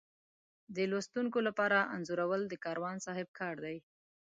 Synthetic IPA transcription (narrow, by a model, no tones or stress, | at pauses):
d̪əlost̪uŋkolapɑɾaʔa̰nzuɾawəld̪əkɑɾwɑnsɑɦɪb̚kʰɑɾd̪aj